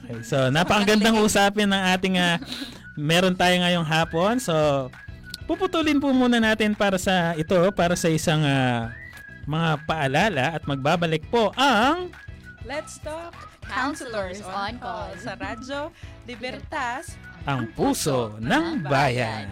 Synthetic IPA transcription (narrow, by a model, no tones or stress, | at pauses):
kejso̞napɐkɐɡɐnd̪ɐŋkɐʔʊsaːpɪnːɐŋʔaːt̪ɪŋɐ | mɛːɾont̪aːjoŋɐjo̞ŋɦaːpo̞nso̞ | pupʊt̪ulɪnpumuːnɐnaːt̪ɪnpaːɾɐsɐʔɪt̪o̞paːɾɐsɐʔɪsaŋa | mɐŋapɐʔɐlaːlɐʔɐt̪̚mɐɡ̚baːbɐlɪk̚po̞ʔɐŋ | lɛt̪st̪okkawnsl | sɐɾad͡ʒolɪbɛɾt̪aʔɐŋpuːso̞nɐŋbaːjɐn